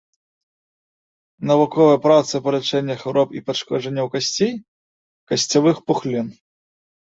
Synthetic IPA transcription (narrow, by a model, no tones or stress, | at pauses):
nɐvukɔvɐjɐpɾat̪sɨpɐlʲɛt͡ʂɛnʲːɐxɛwɾɔpipaʂkɔʐɛnʲːɐwkasʲt͡sʲej | kɐsʲt͡sʲavɨxpuxlʲin